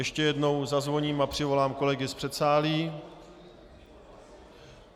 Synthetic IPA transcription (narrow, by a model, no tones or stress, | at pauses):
jɛʃcɛjɛdno̞wzazvo̞ɲiːmapr̝̥ɪvo̞laːmko̞lɛɡɪspr̥ɛt̪saːliː